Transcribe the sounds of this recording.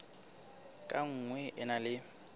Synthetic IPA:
kʼaŋ̩ŋwɛʔɪnalɪ

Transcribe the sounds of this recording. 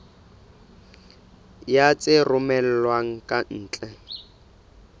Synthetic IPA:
jat͡sʼɪrʊmɛl̩lwaŋ̩kʼan̩ːt͡ɬʼɛ

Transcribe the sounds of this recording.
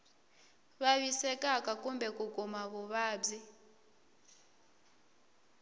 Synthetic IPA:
βaβisɛkʼakakʼumbɛkukumaβuβaːb͡ʐi

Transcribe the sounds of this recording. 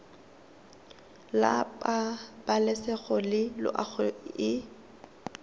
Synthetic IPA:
la̰pʼab̥alɛsɛɣɔlɪlʊ̰ʔaɣʰɔɪ

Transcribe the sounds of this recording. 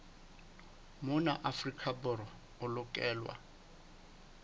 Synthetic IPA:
mʊnaʔafrikʰabʊɾɔ | ʊlʊkʼɛːlwa̰

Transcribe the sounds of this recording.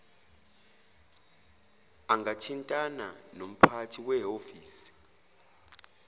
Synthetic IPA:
aŋɡatʰintʼana̰nom̩pʰatʰiwɛɦofiːsi̥

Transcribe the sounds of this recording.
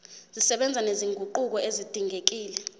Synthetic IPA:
z̥isɛɓɛnd͡zʱaneziŋɡʱuǃuk̬ɔezid̥ʱiŋek̬iːlɛ

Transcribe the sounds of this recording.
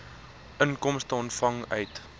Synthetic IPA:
ʔənkɔmstəɔntfɐŋœ̰ɥt

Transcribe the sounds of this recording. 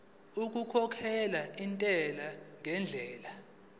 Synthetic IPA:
uk̬ʼukʰɔkʰɛlaintʼɛlaŋʱɛnd͡ɮʱɛːla

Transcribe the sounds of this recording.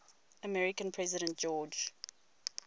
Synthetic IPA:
əmɛɹɪkə̃npʰɹ̥ɛzɪɾə̃nt̚d͡ʒ̥ɔːd͡ʒ

